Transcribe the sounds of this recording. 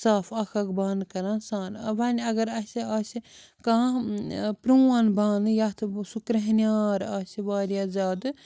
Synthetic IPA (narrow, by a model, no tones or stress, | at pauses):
saːfʰɐkʰɐkbaːnkɐɾãːsaːnɐbɐnʲɐɡɐɾɐsʲiaːsi | kã | pɾuːaːnbaːnɨjat̪ʰɨsukɾɐɦnʲaːɾaːsiʋaːɾjaːzaːd̪ɨ